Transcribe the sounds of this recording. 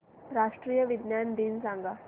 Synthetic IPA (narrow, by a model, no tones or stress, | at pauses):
ɾaːʂʈɾiːjəʋid̪njand̪iːnsãŋɡa